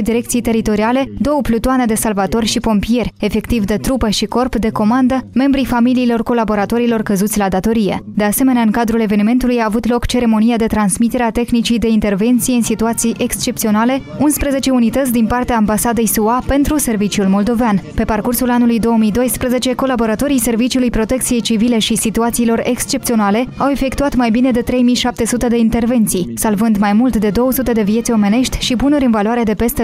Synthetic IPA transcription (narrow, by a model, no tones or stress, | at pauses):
d̪iɾe̞k̚t̪sijt̪e̞ɾit̪o̞ɾiale̞d̪o̞wəplut̪oane̞d̪e̞salvat̪o̞rʲʃipo̞mpije̞rʲefe̞kt̪ivd̪e̞t̪ɾupəʃiko̞rpd̪e̞ko̞mand̪əme̞mbɾifamiliːlo̞rko̞labo̞ɾat̪o̞ɾilo̞rkəzut̪sʲlad̪at̪o̞ɾije̞̰d̪e̞ase̞me̞neaɨŋkad̪ɾule̞ve̞nime̞nt̪ulujaːvut̪lo̞kt͡ʃe̞ɾe̞mo̞nijad̪e̞t̪ɾansmit̪e̞ɾeat̪e̞xnit͡ʃijd̪e̞int̪e̞rve̞nt̪sije̞ɨnsit̪uat̪sijʔe̞kst͡ʃe̞p̚t̪sio̞nale̞ | unspɾəze̞t͡ʃe̞unit̪ət̪sʲd̪inpart̪eaːmbasad̪e̞jsuape̞nt̪ɾuse̞rvit͡ʃiulmo̞ld̪o̞veanpe̞parkursulanulujd̪o̞womijd̪o̞jspɾəze̞t͡ʃe̞ko̞labo̞ɾat̪o̞ɾijse̞rvit͡ʃiulujpɾo̞t̪e̞k̚t̪sije̞jt͡ʃivile̞ʃisit̪uat̪siːlo̞ɾe̞kst͡ʃe̞p̚t̪sionale̞awe̞fe̞kt̪uat̪majbine̞d̪e̞t̪ɾe̞jmiʃap̚t̪e̞sut̪e̞d̪e̞int̪e̞rve̞nt̪sijsalvɨnd̪majmult̪d̪e̞d̪o̞wəsut̪e̞d̪e̞vije̞t̪sʲo̞me̞ne̞ʃt̪ʲʃibunuɾʲɨnvaloaɾed̪e̞pe̞st̪e